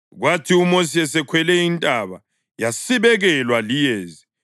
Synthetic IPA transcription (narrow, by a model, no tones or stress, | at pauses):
ɣwatʰiumosiɛsɛkʰwɛlɛintʼaβa̰ | jasiβɛɣɛlwalijeːzi